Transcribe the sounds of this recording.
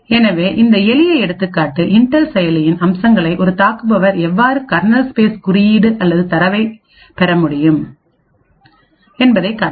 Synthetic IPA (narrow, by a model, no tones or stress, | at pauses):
ɛnɐʋeːʔɪnd̪ɐɛlɪjɐɪɛɽɯt̪ːɯkːaːʈːɯʔɪɳʈːɐlsɛjɐlɪjɪnɐmsɐŋɡɐɭɐɪʔɔɾɯt̪aːkɯpɐʋɐɾɛʋːaːɾɯkɐɾnɐlspeːskʊɾɪjiːɽɯʔɐlːɐðɯt̪ɐɾɐʋɐɪ | pɛɾɐmʊɽɪjɯm | ɛnbɐðɐɪkːɐː